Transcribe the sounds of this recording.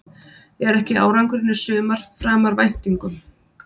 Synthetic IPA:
jɛɛɾɛhcɪa̰ːwɾawŋkʏɾɪnʏsʏːmaɾ̥fɾaːmaɾvajn̥t̪iŋkʏm

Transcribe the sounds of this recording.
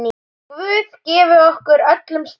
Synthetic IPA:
ni | kvʏːðcɛːvʏɔhkʏɾœt̪lʏmst̪

